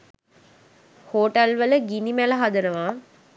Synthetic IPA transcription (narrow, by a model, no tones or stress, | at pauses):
hoːʈɐlʋələɡinimælɐɦad̪ənəʋaː